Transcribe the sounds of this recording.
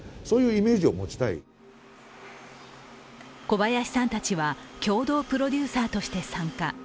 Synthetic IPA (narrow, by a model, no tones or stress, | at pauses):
so̞ːjɯ̟ːime̞ːʑio̞mo̞t͡ɕi̥t̪aḭ | ko̞bajaɕi̥sãnt̪at͡ɕiβakʲo̞ːd̪o̞ːpɯ̟ɾo̞dʲɨːsaːt̪o̞ɕi̥t̪e̞sãŋka